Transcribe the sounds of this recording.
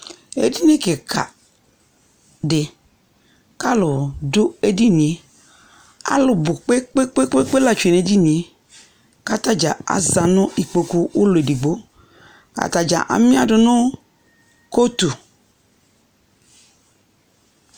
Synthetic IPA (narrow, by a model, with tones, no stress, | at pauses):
ḛ˦di˦n˦i˦ke˨kʰa̰˨ | dɪ˨ | ka˦lʊ˨dʊ˦e˦di˦ni˨˦ | a̰˦lʊ˨bʊ˨k͡pe˦k͡pe˦k͡pe˦k͡pe˦k͡pe˦la˨t͡ʃe˨ne˨˦d͡ʒi˦ni˨˦ | ka˦ta˦d͡ʒa˨a̰˨za˨nʊ˦i˨k͡po˨ku˦ʊ˦lʊ˨e˨di˨ɡ͡bo˦ | ka̰˨ta˨d͡ʒa̰˨ʔa̰˨mĩ˦a˦dʊ˨nʊ˦ | ko˦tu˨